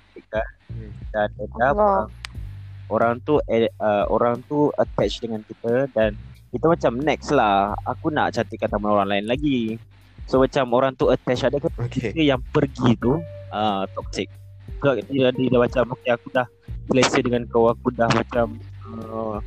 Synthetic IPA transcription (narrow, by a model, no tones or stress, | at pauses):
t̪ikandanedaə | oɾaŋt̪uʔeəoɾaŋt̪uət̪ɛt͡ʃdəŋankit̪ədankit̪umat͡ʃamnɛkslaha̰kuna̰ʔt͡ʃant̪ikːant̪amanoɾaŋlaɪnlaɡi | somat͡ʃamoɾaŋt̪uət̪ɛt͡ʃadəkakek̪əjaŋpərɡit̪uət̪ɔk̚sɪk̚səbad̪iadədamat͡ʃamːukiakudah | sləsədəŋankəwakudahmat͡ʃamə